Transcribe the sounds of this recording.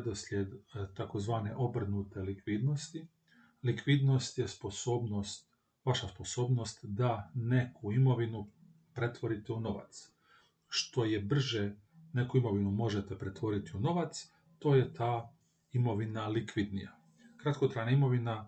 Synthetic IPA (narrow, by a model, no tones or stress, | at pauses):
d̪oslʲjed̪t̪ako̞zʋaːne̞̰ʔo̞br̩nut̪e̞likʋiːd̪no̞st̪i | likʋid̪no̞st̪jesposoːbnost̪ | ʋaʃaspo̞so̞ːbno̞st̪d̪ane̞kʰuimo̞ʋinu | pɾe̞t̪ʋo̞ɾit̪euno̞ʋa̰t̪s | ʃt̪o̞je̞br̩ʒe | ne̞kuimo̞ʋinumo̞ʒe̞t̪epɾe̞t̪ʋo̞ɾit̪iuno̞ʋat̪s | t̪o̞ːje̞t̪ʰaː | imo̞ʋinalikʋid̪nija | kɾat̪kot̪ɾaːjnaimo̞ʋina